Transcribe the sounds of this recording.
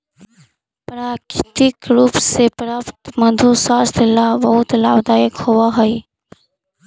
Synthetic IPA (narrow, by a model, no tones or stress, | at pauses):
pɾaːkɪt̪ɪkɾuːpsepɾaːpt̪mɐd̪ʱusaːst̪ʰɪlabɐɦut̪laːbd̪aːɪkhoʋaɦɐi